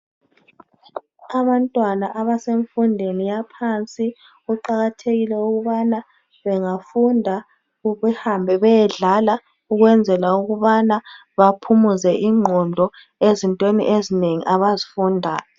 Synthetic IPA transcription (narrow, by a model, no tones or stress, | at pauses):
aβantʼwanaʔaβaseɱfundʱenijapʰant͡sʼi | uǃaɣatʰeɣilɛuɣuβana | βɛŋafundʱa | βɛhambʱɛβɛjɛɮala | uɣwɛnd͡zʱɛlauɣuβana | βapʰumuzɛʔiŋ͡ǃʱɔndʱɔ | ezintʼwenḭʔezineŋḭʔaβazifundʱaːjɔ